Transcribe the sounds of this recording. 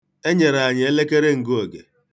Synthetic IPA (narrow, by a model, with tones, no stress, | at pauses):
e˦ɲe˨ɾa˨a˨ɲɪ˨e˦le˦ke˦ɾe˦ŋ̩˨ɡo˨ɡḛ˨